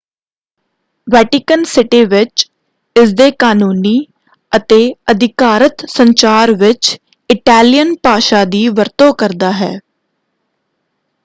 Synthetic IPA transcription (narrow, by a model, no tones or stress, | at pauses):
ʋɛːʈɪkənsɪʈiːʋɪt͡ʃ | ɪsd̪eːkaːnuːniː | ət̪eːəd̪ʱɪkaːɾət̪səɲt͡ʃaːɾʋɪt͡ʃ | ɪʈɛːlɪjənpaːʃaːd̪iːʋəɾt̪õːkəɾd̪aːɦɛː